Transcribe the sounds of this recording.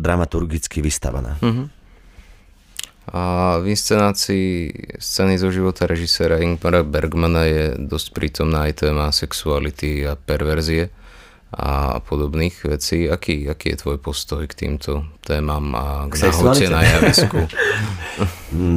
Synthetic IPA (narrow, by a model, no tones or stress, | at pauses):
d̪ɾamat̪uɾɡit͡skiʋist̪a̰ʋa̰na̰ːɦ̩ | avinst͡sɛnaːt͡siːst͡sɛnizɔʒiʋɔt̪ʰaɾɛʒisɛːɾaiŋɡpaɾabɛɾɡmanajɛd̪ɔscpɾiːt̪ɔmnaːjt̪ɛːmasɛksualit̪iapɛɾʋɛɾziɛ | a̰pʰɔd̪ɔbniːɣʋɛt͡siːakiːakiːjɛ̰t̪ʋɔjpɔst̪ɔjkt̪ḭːmt̪ʰɔt̪ɛːmaːma̰ɡnaɦɔɛnajaʋisku